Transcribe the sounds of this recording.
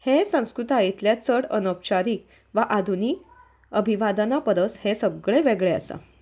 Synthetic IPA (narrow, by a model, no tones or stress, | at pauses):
hesə̃w̃skɾut̪ait̪ljat͡səɽənəpɕaɾiː | ʋaʔad̪ʱuniː | əbʱiʋad̪ənapəɾəshesəɡɭeʋeɡɭeə̰sə̰